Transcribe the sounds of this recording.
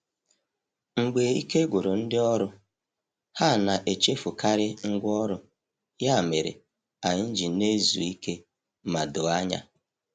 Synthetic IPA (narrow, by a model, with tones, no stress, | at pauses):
ŋ͡m̩˨ɡ͡be˨i˦ke˦ɡʷʊ˨ɾo˨n̩˦dɪ˦ɔ˦ɾʊ˦ | ha˦˨na˨ʔe˨t͡ʃe˦fu˨ka˦ɾɪ˦ŋ̩˦ɡʷɔ˦ɾʊ˦ | ja˦˨me˨ɾḛ˨ | a˨ɲ˦n̩˦d͡ʒi˨ne˦zu˨i˦ke˦ | ma˨do˨a˦ɲa̰˦